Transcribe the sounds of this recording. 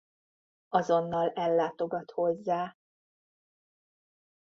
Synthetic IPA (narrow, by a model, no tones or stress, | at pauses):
ɒzo̞nːɒlɛlːaːt̪o̞ɡɒt̪ho̞zːaː